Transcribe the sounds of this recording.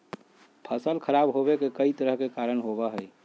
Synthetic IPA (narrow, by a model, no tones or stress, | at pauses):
pʰəsəlkʰəɾabɦoβekekəit̪əɾəɦkekaɾənɦobəɦəj